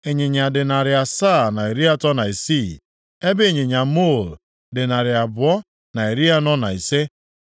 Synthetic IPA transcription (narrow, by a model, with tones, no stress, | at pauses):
e˨ɲe˨ɲa˨dɪ˨na˨ɾɪ˨a˨sa˦˨na˨e˨ɾi˦a˦tɔ˦na˨i˨si˦˨ | e˦be˦e˨ɲe˨ɲa˨mo˦˨l | dɪ˨na˨ɾɪ˨a˨bʊ˨ɔ˦ | na˨e˨ɾi˦a˦nɔ˦na˨i˨se˦